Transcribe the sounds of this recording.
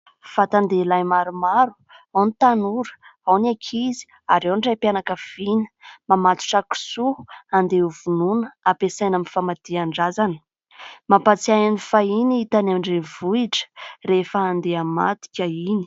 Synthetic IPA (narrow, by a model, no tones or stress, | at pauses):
fat̪and̪elajmaɾumaɾu̥ | awnit̪anuɾə̥awnakʰizi̥ | aɾewnɖ͡ʐajpanakəv̥inə̥mamat̪u̥ʈ͡ʂaku̥suand̪euvununəapesajnamifamat̪iaɳɖ͡ʐazanə̥ | mapat͡siajanifainiit̪anamiɳɖ͡ʐenvuiʈ͡ʂə̥refəand̪eama̰t̪i̥kʲaini̥